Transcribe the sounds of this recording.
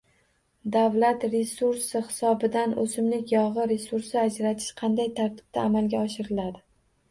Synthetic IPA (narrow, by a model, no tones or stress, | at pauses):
d̪avlat̪ɾe̞suɾsɪhɪ̥sɒbɪd̪anʔɵsɪmlɪkʲjɒʁɨɾe̞suɾsɪad͡ʒɾat̪ʰɪ̥ʃqʰɑnd̪ajt̪ʰaɾt̪ʰɪ̥b̥̚t̪ʰaːmalɡʲaɒʃɪɾɪlad̪ɪ